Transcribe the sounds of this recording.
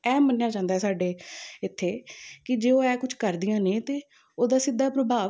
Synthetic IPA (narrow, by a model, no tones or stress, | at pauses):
ɛːməneːjaːt͡ʃãːnd̪aːɛːsaːɖeːɪt̪ʰːeːkɪd͡ʒeːoːɛːkʊt͡ʃʰkəɾd̪ɪjãːneːt̪eː | oːd̪aːsɪd̪ːaːpɾəbaː